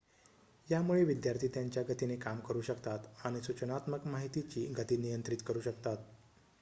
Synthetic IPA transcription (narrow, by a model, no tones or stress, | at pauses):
jamuɭeʋid̪jaɾt̪ʰiːt̪jaɲt͡ɕjaɡət̪inekamkəɾuːɕəkt̪at̪aɽ̃isut͡ɕənat̪məkmaɦit̪it͡ɕiːɡʱət̪iːnijənt̪ɾit̪kəɾuːɕəkt̪at̪